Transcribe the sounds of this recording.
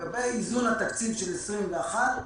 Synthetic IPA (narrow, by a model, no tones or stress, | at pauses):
abeizunhat̪akt͡sivʃelesʁimveaχat̪